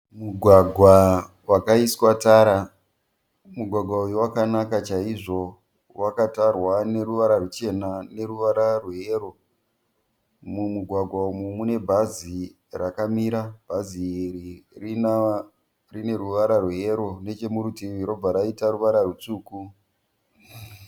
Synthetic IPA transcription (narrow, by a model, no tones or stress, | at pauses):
muɡʱwaɡʱwa | wakaiswataɾa | muɡʱwaɡʱwaujuwakanakat͡ʃaiʐo̞ | wakatarwane̞ɾuʋaɾarut͡ʃe̞nane̞ɾuʋaɾarweeːro̞ | mumuɡʱwaɡʱwaumumune̞bʱazi | rakamiɾab̥ʱaziririna | rine̞ruʋaɾarweeɾo̞ne̞t͡ʃe̞muɾutiɾo̞b͡vaɾaitaɾuʋaɾarut͡suːku